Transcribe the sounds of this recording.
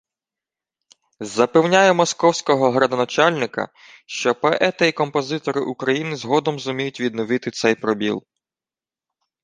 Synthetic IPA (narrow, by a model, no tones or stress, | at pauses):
zɐpɛwnʲajɛmɔskɔwsʲkɔɦɔɦɾɐd̪ɔnɐt͡ʃɑlʲnɪkɐ̰ | ʃt͡ʃɔpɛʔɛt̪ɐikɔmpɔzɪt̪ɔɾɪʔukɾɐjinɪzɦɔd̪ɔmzʊmʲijʊtʲʋʲid̪nɔʋɪt̪ɪt̪sɛjpɾɔbʲḭlˠ